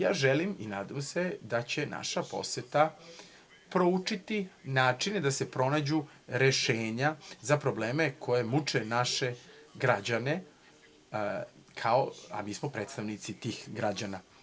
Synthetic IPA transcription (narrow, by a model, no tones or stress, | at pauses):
ja̰ːʒeliminaːd̪amse̞d̪at͡ɕe̞na̰ʃapo̞̰sjet̪a | pɾo̞ut͡ʂit̪inaːt͡ʂine̞d̪ase̞pɾo̞naːd͡ʑu | ɾe̞ʃeːɲazapɾo̞bleːme̞kʰo̞je̞mut͡ʂenaʃe̞ɡɾad͡ʑane̞ | kʰaoa̰miːsmopɾet̪st̪aʋnit̪sit̪iːxɡɾad͡ʑana